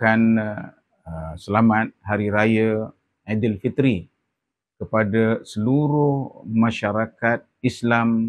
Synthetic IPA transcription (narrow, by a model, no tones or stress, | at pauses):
kan | əsəlamat̪̚haɾiɾaja | adilfit̪ɾi | kəpadasəluɾʊhmãʃaɾakat̪̚islam